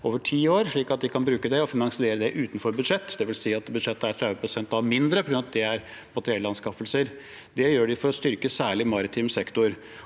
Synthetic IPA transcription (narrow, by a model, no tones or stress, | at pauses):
oːʋəʈʰiːoːɾʂɭiːkɑt̪̚d̪ɪkʰɑnbɾʉːkəd̪ɛɔfɪnɑŋsɪeːɾəd̪ɛʔʉːt̪n̩fɔɾbʉd̪ʂɛt̪ːd̪ɛʋɪlsiːɑt̪bʉd̪ʂɛt̪ːəæʈʰɾɛʋəpʰɾʊsɛnt̪ɑʋmɪnd̪ɾəpʰɔɡɾʉnt̪̚d̪ɛæɾmɑt̪ʰɾɛlɑnskɑfəlsəɾ | d̪ɛjøːɖɪfɔɾɔst̪ʏɾkəsæːɭɪmɑɾɪt̪ʰimsɛkt̪ʊɾ